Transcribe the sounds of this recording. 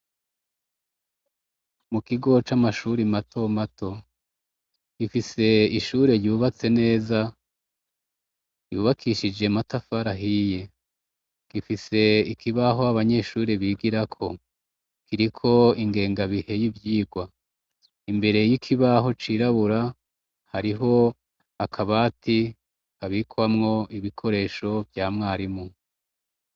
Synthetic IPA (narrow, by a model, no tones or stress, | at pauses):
mukiɡo̞t͡ʃamaʃuɾimatʰo̞matʰo̞ | ɡifise̞iʃuːɾe̞ɾjuːβat͡se̞ne̞ːza | jṵːβakʰiʃid͡ʒe̞matafaɾaɦije̞ | ɡ̥ifise̞ikʰiβaɦo̞aβaɲe̞ʃuːɾiβiːɡiɾakʰo̞ | kiɾikʰo̞iŋɡe̞ːŋɡaβihe̞jivjiːɡwa | imbe̞ɾe̞jikʰiβaɦo̞t͡ʃiɾaβuɾa | haɾiɦo̞ | akʰaβaːti | kaβikʰwamŋo̞iβikʰo̞ɾe̞ːʃo̞vjaːmŋaːɾimu